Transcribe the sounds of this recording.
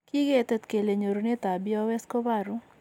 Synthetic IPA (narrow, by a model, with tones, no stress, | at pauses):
ki˦ɡe˦t̪ɛ˦t̪ke˨le˨ɲo˨ɾo˨ne˦t̪a˨bi˦ɔ˦wɛ˦sko˦ba˦˨ɾu˦